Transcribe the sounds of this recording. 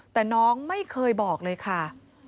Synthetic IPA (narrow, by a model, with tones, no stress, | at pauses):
t̪ɛː˨˩nɔː˦˥ŋma˥˩jkʰɤː˧jbɔː˨˩k̚lɤː˧jkʰa˥˩